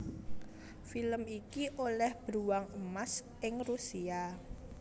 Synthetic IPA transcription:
filəmikiʔolɛhb̥ɾuwaŋəmas | ʔɪŋrusia

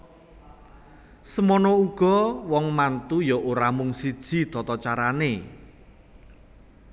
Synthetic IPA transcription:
səmɔnɔuɡ̥ɔ̤wɔŋmant̪ujɔʔoɾamʊŋsid̥ʒ̥i̤t̪ɔt̪ɔt͡ʃaɾane

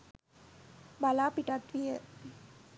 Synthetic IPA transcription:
balaːpiʈat̪ʋijə

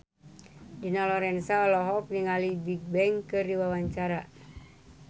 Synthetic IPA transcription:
dinalɔɾɛnsalɔɦɔk̚niŋalibiɡ̚bɛŋkɨrdiwawaɲt͡ʃaɾa

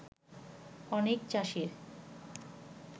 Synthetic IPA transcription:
ɔnekt͡ɕaʃiɾ

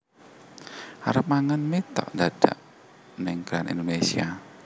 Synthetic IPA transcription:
ʔa̰ɾəpmaŋənmet̪ɔ̰ʔndaɖ̥a̰ʔ | nɪŋɡ̥ɾanʔḭnd̪onesia

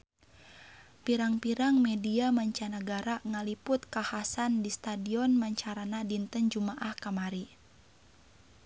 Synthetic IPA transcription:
piɾaŋpiɾaŋmɛdiamaɲt͡ʃanaɡaɾaŋalipʊt̪̚kahasandist̪adiɔnmaɲt͡ʃaɾanadint̪ənd͡ʒumaʔahkamaɾi

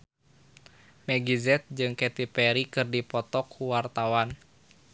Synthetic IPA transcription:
mɛɡizɛt̪̚d͡ʒɨŋkɛt̪ipɛɾikɨrdipɔt̪ɔkːuwart̪awan

